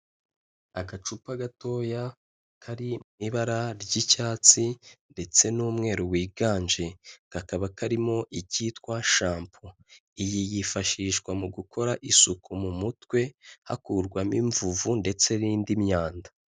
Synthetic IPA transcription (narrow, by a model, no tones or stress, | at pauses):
aɡat͡ʃupaɡato̞ːja | kʰaɾimŋiβaɾaɾɟicaːt͡sinde̞t͡se̞nuːmŋe̞ːɾuwiːɡaːnd͡ʒe̞kakaβakaɾimo̞ʔicitkwaʃaːmpʰo | ijijifaʃiːʃɡwamuɡukʰo̞ɾaʔisukʰumumutwe̞ha̰kuɾɡwamiɱvuvunde̞t͡se̞ɾiːndimɲaːndḁ